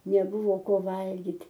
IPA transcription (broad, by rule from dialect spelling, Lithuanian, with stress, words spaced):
nʲɛˈbʊʋoː ˈkoː ˈʋɐlʲɡʲɪtʲ